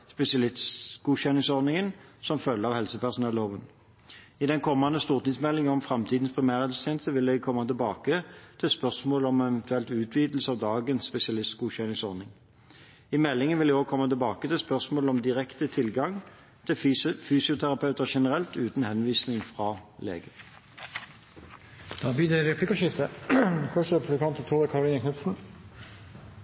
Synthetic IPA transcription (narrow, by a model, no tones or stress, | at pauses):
spɛsɪɑlɪst̪sɡ̥uːɕɛnɪŋsɔɾnɪŋənsɔmfœlːəɑʋhɛlsəpæʁsʊnɛlːoːʋən | ɪd̪ɛnkʰɔmːɑnd̪əst̪uːʁt̪nɪŋsmɛlːɪŋəɔmfʁɑmt̪ʰiːd̪n̩spʰʁɪmæːʁɛlst̪jeːnəst̪əʋɪld̪ɛɡ̚kʰɔmːɑt̪ɪlbɑːkət̪ʰɪlspœʁsmoːləɔmɛʋɛnt̪ʰʉɛlt̪ʉːt̪ʰʋiːd̪l̩səɑːʋd̪ɑːɡənsːpɛsɪɑlɪst̪sɡuːɕɛnɪŋsɔʁnɪŋ | ɪmɛlːɪŋənʋɪld̪ɛoːɡkʰɔmːɑt̪ɪlbɑːkət̪ɪlspœʁsmoːlɔmd̪ɪʁɛkt̪ət̪ʰɪlɡɑŋ | t̪ʰɪfyːsɪʊt̪ʰæʁɑpʰɑʉt̪əʁʃɛnəʁɛlt̪ʉːt̪n̩hɛnʋiːsnɪŋfʁɑːlḛːɡə | d̪̥ɑːbiːd̪ɛɾɛpʰliːkəʃɪft̪əfʰœʂəɛpʰʉbləkʰɑnt̪ət̪ʰuːʁəkʰɑɾʊliːnəkʰnʉpsn̩